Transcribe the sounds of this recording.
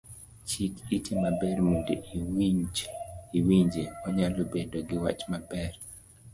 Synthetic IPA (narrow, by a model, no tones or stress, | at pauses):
t͡ʃikitʰimabɛɾmudeiwid͡ʒiwiɲd͡ʒeɔɲalobedoɡɪwa̰t͡ʃmabɛr